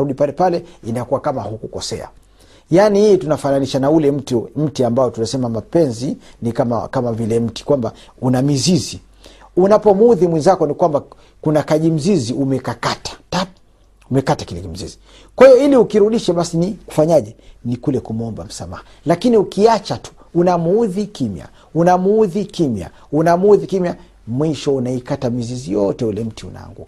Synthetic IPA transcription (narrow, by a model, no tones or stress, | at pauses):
ɾuɗipalɛpalɛinajɔkuwakamahukukɔsɛ̰a̰ | janihijɛtunafananiʃanaulɛm̩tm̩tiambaɔtunasɛmamapɛnzinikama̰kamavilɛm̩ti̥kwambaunamizizi | unapɔmuðimwinzakɔnikwamba | kunakaʄim̩ziziʔumɛkakatḁta | umɛkatakilɛkim̩zḭzi̥ | kwahijɔiliukiɾuɗiʃaɓasiniku̥faɲaʄɛnikulɛkumuɔmba̰m̩sa̰ma̰ha | lakiniukiat͡ʃatu̥ | unamuuðikimja̰ | unamuðikimja̰ | unamuðikimja | mwiʃɔunaikatamizizijɔtɛulɛm̩tiṵna̰ŋɡṵ